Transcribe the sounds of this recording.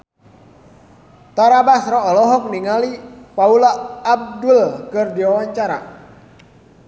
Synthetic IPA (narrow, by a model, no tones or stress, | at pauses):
t̪aɾabasrɔɔlɔɦɔk̚niŋalipaulaːb̚dulkərdiwawaɲt͡ʃaɾa̰